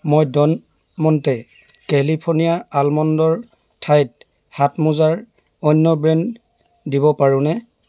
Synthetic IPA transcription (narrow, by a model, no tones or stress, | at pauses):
mojdɔn | mɔntɛ | kɛlipʰɔɹnijaalmɔndɔɹ | tʰajt̚ | hatmuzaɹ | ɔjnːɔbɹɛn | dibɔpaɹʊ̃nɛ